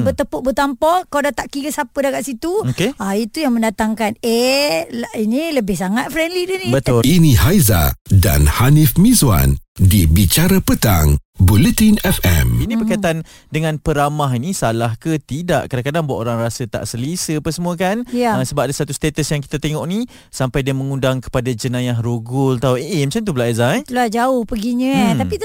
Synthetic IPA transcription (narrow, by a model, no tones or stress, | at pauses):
bət̪əpʊʔ̚bət̪ampɔkaadat̪aʔkiɾəsapədaɡaʔsit̪uokeait̪ujaŋmə̃ndat̪aŋkaneainiləbɪhsaŋat̪̚fɾɛndlidənibət̪ʊlinĩhajza̰da̰nhanifmĩzwa̰ndibit͡ʃaɾapət̪a̰ŋbulət̪inɛfɛ̰minĩbəkajt̪an | dəŋãnpəɾamaɦinisalahkət̪ida̰ʔkadakadaŋbua̰ʔoɾaŋrasət̪a̰ʔsəlisəapəsəmuəkanjəsəbap̚adasat̪ust̪et̪əsjaŋki̥t̪at̪eŋɔʔni | sampajdiaməŋundaŋkə̥padad͡ʒənãjaɦɾoɡʊlat̪aueʔemat͡ʃamt̪̬ubəlaʔajzaɛt̪luad͡ʒaʊhpəɡiɲə̃t̪ait̪